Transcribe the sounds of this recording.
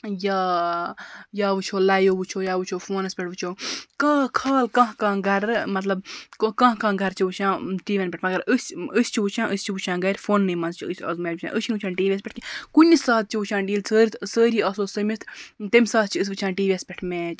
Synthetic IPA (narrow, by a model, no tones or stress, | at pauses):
jaː | jaːʋɨt͡ʃʰoːlaːjoːʋut͡ʃʰoːjaːʋɨt͡ʃʰoːfoːnɐspʲeʈʋɨt͡ʃʰoːkakʰaːlkãːɦkãːɡɐɾmɐt̪lɐbkãːɦkãːɡɐɾt͡ʃʰiʋut͡ʃʰãːʈiːʋenpʲeʈʰmɐɡɐɾɨsʲəsʲt͡ʃʰiʋut͡ʃʰãːʔɨsʲt͡ʃʰiʋut͡ʃʰãːɡɐɾʲfoːnːɨːmɐnzt͡ʃʰiɨsʲɐ̰zmeːut͡ʃʰã̰ːʔɨt͡ʃʰinut͡ʃʰãːʈiːʋiɐspʲeʈ̚kʲikunʲisaːt̪̚t͡ʃʰiʋut͡ʃʰãːnɖiːlsəːɾʲt̪ʰsəːɾiːɐːsoːsəmit̪ʰt̪emʲsaːt̪̚t͡ʃʰiɨs̬ʲʋɨt͡ʃʰãːʈiːʋiespʲeʈʰmẽːt͡ʃ